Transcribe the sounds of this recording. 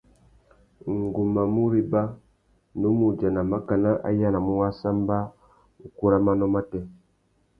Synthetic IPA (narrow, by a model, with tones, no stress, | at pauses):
ŋ˨ɡu˨ma˨mu˦ɾi˦ba˦ | nu˦mu˨d͡ʒa˨na˨ma˦ka˨na˦ʔa̰˦ja˦na˨mu˦wa˦sa˦mba˦ | u˨ku˦ɾa˦ma˦nɔ˦ma˦tɛ˦